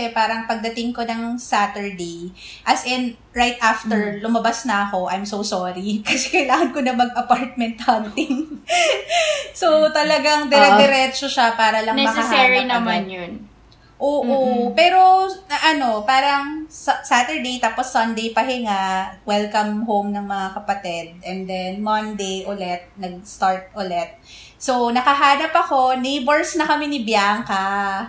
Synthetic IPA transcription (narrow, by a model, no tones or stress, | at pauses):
ɛpaːɾɐŋpɐɡ̚d̪ɐt̪ɪŋkonɐŋsat̪ɛɹd̪ej | ʔɐsɪn | ɹajt̪̚ʔaft̪ɛɹlʊmɐbasnɐʔɐko̞ʔajmsowsoɾikɐsɛkɐjlaːŋɐnkonɐmɐɡʔɐpaɹt̪̚mɛnt̪̚hɐnt̪ɪŋ | sot̪ɐlɐɡaŋd̪ɛɾɛd̪ɛɾɛt͡ʃoʃapaːɾɐlɐŋnɛmɐsɛashɛɾnɐɐmanjʊn | ʔoːʔʔopɛːɾo̞ɐʔɐno̞paːɾɐŋsɐsaːt̪ɛɹd̪ejt̪aːposːɐnd̪ejpɐɦɪŋawɛlkɐmɦowmnɐŋmɐŋakɐpɐt̪ɛd̪̚ʔɛnd̪ɛnmɐnd̪ejʔolɛt̪̚nɐɡ̚st̪aɹt̪̚ʔolɛt̪̚ | sonɐkɐɦaːnɐpɐko̞nejboɹsnɐkɐmɛnɪbjaːŋkɐ